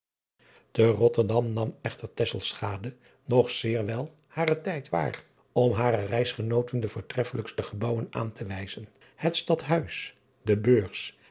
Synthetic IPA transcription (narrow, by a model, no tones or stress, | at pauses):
d̥ərɔtəɹdɑmnɑmɛχtəɹtɛsəlˠsχaːdə | nɔχsɪːɹʋɛlˠ | haːrətɛjtʋa̰ːr | ɔmɦaːɾərɛjsχənowtəndəvʊːɹtrɛfələkstəχəbʌwənʔa̰ːntʰəʋɛjz̥ən | hətstɑtɦœɥs | dəbøːɹs